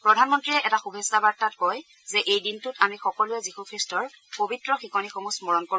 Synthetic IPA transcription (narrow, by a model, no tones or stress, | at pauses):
pɹɔdʱanmɔntɹiɛʔɛtaxubʱesːabaɹtatkɔj | zɛʔejdintʊtamixɔkɔlʊɛzixukʰɹistɔɹ | pobitɹɔxikɔnixomusmɔɹɔnko